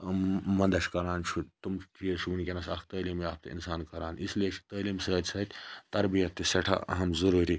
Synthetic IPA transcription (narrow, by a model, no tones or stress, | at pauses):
mɐnd̪ɐʃʲkɐɾaːnt͡ʃʰut̪umʈʰijɐt͡ʃʰubunkʲenɐsɐkʰt̪ɐːliːmjaːp̚t̪ɐ̰ḭnsaːnkɐɾaːnislijet͡ʃʰi̥t̪ɐːliːmsəːt̪ʲsɐːt̪ʲt̪ɐɾbijɐt̪ːisɐʈʰɐ̰ɐ̰ɦɐmzɐɾuːɾi